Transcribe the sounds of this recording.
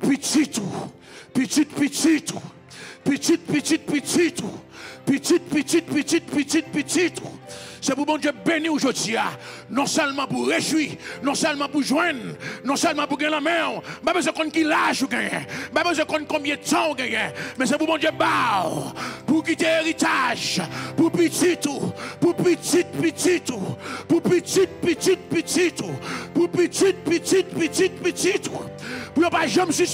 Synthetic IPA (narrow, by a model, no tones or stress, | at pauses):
pitit̪u | pit̪it̪̚pitit̪u | pit̪it̪̚pit̪it̪̚pitit̪upit̪it̪̚pit̪it̪̚pit̪it̪̚pitit̪̚pitit̪usɛpubɔ̃djebeniuʒod͡zia | nɔ̃sœlmɑ̃puʁeʒwinɔ̃sœlmɑ̃puʒwɛ̃nːɔ̃sœlmɑ̃puɡɛ̃ɛlãmɛ̃um̩pabøzwɛ̃kɔ̃nkilaʒuɡɛ̃jɛ̰̃m̩pabəzwɛ̃kɔ̃nkɔ̃bjɛ̃t̪ãuɡɛ̃jɛ̃mɛ̃s̬epubɔ̃d͡ʒjebawpuk̬it̪eeʁit̪aʒpupit̪it̪upupət̪it̪̚pətit̪upupət̪it̪̚pət̪it̪̚pət̪it̪upupit̪it̪̚pət̪it̪̚pət̪it̪̚pət̪it̪upujopaʒɛ̃msi